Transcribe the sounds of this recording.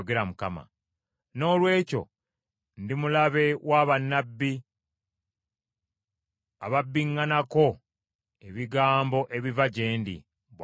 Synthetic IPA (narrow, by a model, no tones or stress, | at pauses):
ɡe̞ɾamukama̰ | no̞ːlwe̞ːco̞̰ | ndimulaβe̞wʔaβanːabːi | aβabːiŋːanako̞ | eβiɡaːmbo̞ʔe̞βivaɟe̞ːndḭ | β